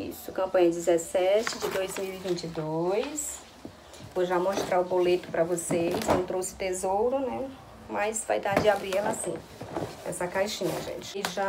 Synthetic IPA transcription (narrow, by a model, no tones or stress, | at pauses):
ḭsʊkɐ̃pɐ̃ɲɐd͡ʒɪzɛsɛt͡ʃɪd͡ʒɪd̪ojzmiwivĩt͡ʃɪd̪ojs | voʒamoʃt̪ɾaʊbolet̪ʊ̥pɾɐvosesnɐ̃t̪ɾowsɪ̥t̪ezowɾʊnɛ | mɐjsva̰jd̪aɾd͡ʒɪabɾiɛlasĩ | ɛ̰sɐkajʃĩɲɐ̰ʒḛ̃t͡ʃɪ̥ɪʒa